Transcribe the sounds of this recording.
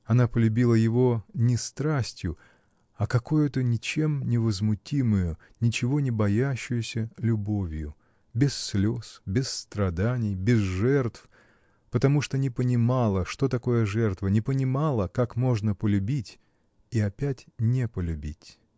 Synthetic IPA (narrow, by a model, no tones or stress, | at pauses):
ɐnapəlʲʉbʲilˠəjɪvo̞nʲɪst̪ɾasʲtʲjʊ | ɐkɐkojʊt̪ənʲɪt͡ɕe̞mnʲɪvəzmʊtʲimʊjʊ | nʲɪt͡ɕɪvo̞nʲɪbɐjæɕːʊjʊsʲəlʲʊbo̞vʲjʊ | bʲɪsːlʲosbʲɪsːt̪ɾɐd̪anʲɪjbʲɪzʐɛrt̪f | pət̪ɐmuʂt̪onʲɪpənʲɪmalˠəʂt̪o̞t̪ɐko̞jəʐɛrt̪vənʲɪpənʲɪmalˠəkakmo̞ʐnəpəlʲʉbʲitʲ | iɐpʲætʲnʲepəlʲʉbʲitʲ